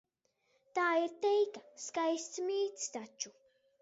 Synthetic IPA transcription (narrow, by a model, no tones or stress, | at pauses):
t̪aːiɾt̪ejkaskajst͡smiːt͡st̪at͡ʃːʊ